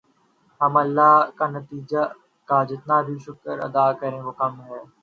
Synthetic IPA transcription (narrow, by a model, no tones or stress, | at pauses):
ɦɐmɐlːaːɦkaːnət̪iːd͡ʒa | kaːd͡ʒɪt̪naːbʱiʃʊkəɾɐ̰d̪aːkəɾẽːʋoːkɐmɦɛː